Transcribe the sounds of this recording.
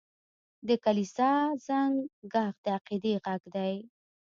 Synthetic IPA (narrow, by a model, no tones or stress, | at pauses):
d̪əkalisɑzaŋɡɡɑxd̪əaqid̪eɣaɡd̪aj